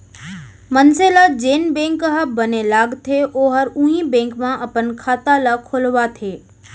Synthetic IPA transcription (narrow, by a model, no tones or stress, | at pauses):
mənselad͡ʒeːnbẽːŋkəɦəbənelaːɡt̪ʰeʔoːɦəɾũĩbẽːŋkmãʔəpənkʰaːt̪alakʰolʋat̪ʰeː